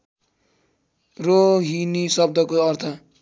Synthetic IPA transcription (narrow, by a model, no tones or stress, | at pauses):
roɦinisʌb̚d̪ʱʌkoʌrt̪ʰʌ